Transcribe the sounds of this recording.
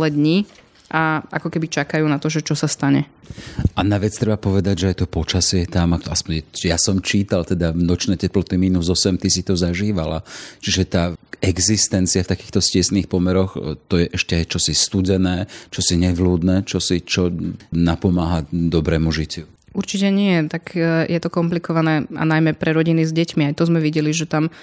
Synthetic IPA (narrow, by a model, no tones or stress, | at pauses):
lɛd̪ɲi | ʔaʔakɔkɛbit͡ʃakajuːnat̪ɔʒɛt͡ʃɔsast̪aɲɛʔanaʋɛt͡st̪ɾɛbapɔʋɛd̪aɟʒɛajt̪ɔpɔt͡ʃasɛjɛt̪amaaspɔɲɛjasɔmt͡ʃiːt̪alt̪ɛd̪avnɔt͡ʃnɛːcɛplɔt̪imiːnuzɔsɛmt̪isit̪ɔzaʒiːʋalat͡ʃiʒɛt̪aːɛɡzist̪ɛnt͡siaft̪akiːxt̪ɔscɪɛsniːxpɔmɛɾɔxt̪ɔjɛʔɛʃcɛajt͡ʃɔsist̪uɟɛnɛːt͡ʃɔsiɲɛʋluːd̪nɛːt͡ʃɔsit͡ʃɔnapɔmaːɦad̪ɔbɾɛːmuʒicu | uɾt͡ʃicɛɲɪɛt̪akjɛt̪ɔkɔmplikɔʋanɛːʔa̰najmɛpɾɛɾɔɟinizɟɛcmiajt̪ɔzmɛʋiɟɛliʒɛt̪am